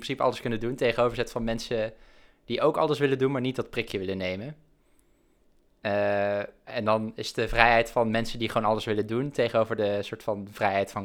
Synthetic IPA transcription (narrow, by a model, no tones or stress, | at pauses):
prɪnsipəɑləskɵnəduntejχənowvəɹzɛtfɑnmɛnsə | d̥iʔowkɑ̰ləsʋɪləndunmaːɹnit̚dɑt̚prɪkjəʋɪlənejmən | ɛndɑnɪsdəvrɛjɦɛjtfɑnmɛnsəndiχəʋoːnɑləsʋɪlənduntejχənowvəɹdəsʊːɹtfɑnv̥rɛjɦɛjtfɑn